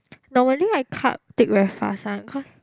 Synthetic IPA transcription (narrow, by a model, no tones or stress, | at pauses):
nɔməliajkʰa̰t̚tɪk̚ɹɛfa̰sãnkʰɔs